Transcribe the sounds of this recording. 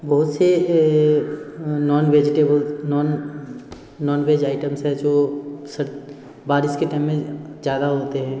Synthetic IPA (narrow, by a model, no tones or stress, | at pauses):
bɐɦʊt̪se | nɔːnʋeːd͡ʒɪʈeːbəlnɔːnː | ɔːnʋeːd͡ʒaːɪʈəmsɦɛ̃d͡ʒoːsɐ | baːɾɪskeʈaːɪmːẽzjaːd̪aɦoːt̪eɦɛ̃ː